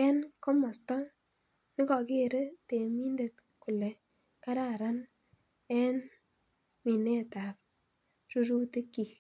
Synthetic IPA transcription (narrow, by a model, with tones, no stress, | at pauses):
ɛ˦nkɔ˦mɔ˨stɔ˦ | nɪ˦kɔ˨ke˦˨ɾe˦te˨mi˦nde˨t̚ | ku˨le˨ | ka˦ɾa˦˨ɾa˦n | ɛ˦n | mi˨ne˦ta˨p̚ | ɾu˦ɾu˦te˦kːi˨k